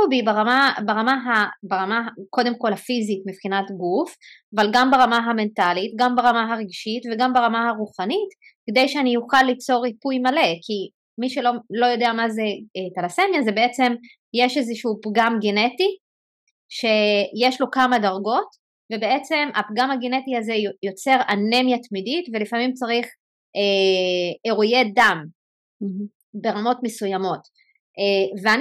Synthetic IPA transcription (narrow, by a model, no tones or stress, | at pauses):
ubibaʁamabaʁamaɦabaʁamako̞de̞mko̞lafizitmipχinatɡufavalɡambaʁamaɦame̞ntalitɡambaʁamaɦaʁeɡʃitveɡambaʁamahaʁuχanit | ked̪ejʃeanijuχalːit͡so̞ʁipujmale̞ki | miʃelo̞lo̞jo̞deamazeetalase̞mjazebeet͡se̞m | jeʃezeʃupɡamɡeneti | ʃe̞jeʃlo̞kamadaʁɡo̞t | ve̞be̞e̞t͡se̞map̚ɡamaɡene̞tiazejo̞t͡se̞ʁanemjatmiditvelifamimt͡saʁiχ | ʔe | eʁujedam | be̞ʁamo̞tmesujamo̞t | evean